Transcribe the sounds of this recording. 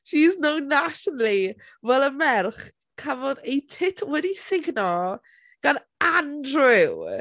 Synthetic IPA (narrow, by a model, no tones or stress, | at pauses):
ʃiznownːaʃɔnəlˠi | vɛlˠəmɛrχ | kʰavɔðejtʰɪtʰwɛdisɪɡnɔ | ɡ̥an | andrɪw